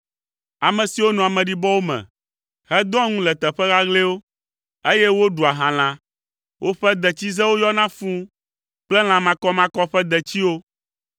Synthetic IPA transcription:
a˨mɛ̃˨si˨wo˦nɔ̃˨a˨mɛ̃˨ɖi˦bɔ˦wo˦mɛ̰̃˨ | hɛ˦d̪ɔ̃˦ŋũ˦lɛ˨t̪ɛ˨ɸɛ˦ɣa˦ɣle˦wo˦ | e˦jɛ˦wo˦ɖu˨a˨ɦã˨l̃ã˨ | wʔo˦ɸɛ˦d̪ɛ˨t͡ɕi˦zɛ˦wo˦jɔ˦nã˦fũ˦ | k͡plɛ˦l̃ã˨mã˦kɔ˦mã˦kɔ˦ɸɛ˦d̪ɛ˨t͡ɕi˦wo˦

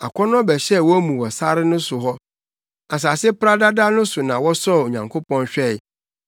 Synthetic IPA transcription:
a̰˨kʷʰɔ˦nʊ̃˦bɛ˨ɕɛ˦˨wɔ˦æ˦mũ˨wɔ˨sa˦ɾɪ˦nʊ̃˦sʊ˨ɦɔ˦ | a˨s̬a˨sɪ˦pɾa˦da˦da˦nʊ̃˦sʊ˨nã˨wɔ˦sɔ˦˨o˨ɲã̰˨ŋkʰo˦pʰɔ̃˦nɕᶣɛ˦˨ɪ˨

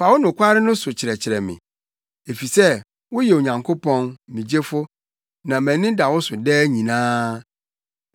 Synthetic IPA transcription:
pʰa˨˦wʊ˦nʊ̃˨kʷʰa˦ɾɪ˦nʊ̃˦sʊ˨t͡ɕʰɪ˨ɾɛ˨t͡ɕʰɪ˨ɾɛ˨mɪ̰̃˨ | e˨fi˨sɛ˦ | wʊ˦jɛ˨o˨ɲã˨ŋkʰo˦pʰɔ̃˦n̩˨mĩ˨d͡ʑe˦fʊ˦ | nã˨mæ̃˨nɪ̃˦da˨wʊ˦sʊ˨dɛː˦ɲĩ˨nãː˦

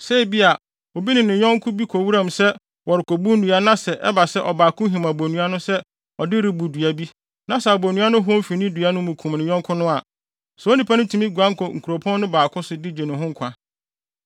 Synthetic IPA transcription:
se˦˨bi˦a˨ | wo˨bi˦nɪ̃˨nɪ̃˨ɲɔ̃˦ŋ˦kʰʊ̃˦bi˦kʰo˨wu˦ɾã˦˨msɛ˦ | wɔ˨ɾɪ˨kʰo˨bu˦n̩˦nũ˨a˨˦nã˦sɛ˨ʔɛ̰˦ba˨sɛ˦ʔɔ˨baː˨kʰʊ̃˦ɦĩ˨ma˨bo˨nũ˨˦a˦nʊ̃˦sɛ˦ | ɔ˨dɪ˦ɾɪ˨bu˨dɥa˨bi˦ | nã˨sɛ˨a˨bo˨nũ˦a˦nʊ̃˦ɦʊ˦ɔ̃˦m˦fi˨nɪ̃˦du˨a˦nʊ̃˦mũ˨kʰũ˨m˨nɪ̃˨ɲɔ̃˦ŋkʰʊ̃˦nʊ̃˦a˨ | sɛ˨o˦nĩ˨pʰa˦nʊ̃˦tʰu˨mĩ˦ɡã˦ŋ˦kʰɔ˨ŋ̩˨ku˨ɾo˨pʰɔ̃˦nnʊ̃˦baː˨kʰʊ̃˦sʊ˨dɪ˦d͡ʑe˨nʊ̃˨ɦʊ̃˦ŋ̩˨kʷʰã˨

